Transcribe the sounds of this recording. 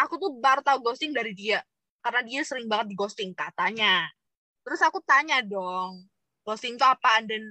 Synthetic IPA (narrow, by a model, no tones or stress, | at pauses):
ʔakut̪uhbart̪aɡɔst̪ɪŋdaɾidia | karənadiasəɾɪŋbaŋət̪̚diɡɔst̪ɪŋkat̪aɲa | t̪əɾʊsakut̪aɲadɔŋ | ɡ̥ɔst̪ɪŋt̪uapandɛn